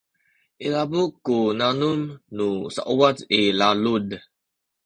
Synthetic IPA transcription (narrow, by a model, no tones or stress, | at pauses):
elabuʔkunanumnusa̰ʔuwatelalud